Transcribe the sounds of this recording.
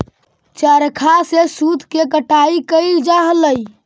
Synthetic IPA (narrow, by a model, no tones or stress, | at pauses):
t͡ʃəɾkʰasesud̪ʱkekəʈaikəɪld͡ʒaɦləj